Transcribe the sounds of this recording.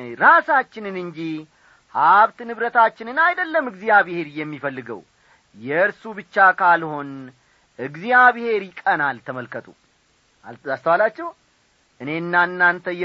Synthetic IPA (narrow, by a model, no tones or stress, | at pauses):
ɾasat͡ʃːɪnɨnɨɲd͡ʒi | haβt̪nɨβɾət̪ʰat͡ʃːɪnɨnajd̪əlːəmɨɡzijaβhe̞ɾijɛmːifəlːɨɡə̰w | jɛɨɾsubɨt͡ʃːakʰalho̞n | ʔɨɡzijaβhe̞ɾjɪkʼənalt̪ʰəməlkʰət̪ʰʼṵ | ast̪əwalat͡ʃːɛw | ʔɨne̞ɨnːanːant̪ʰəjɛ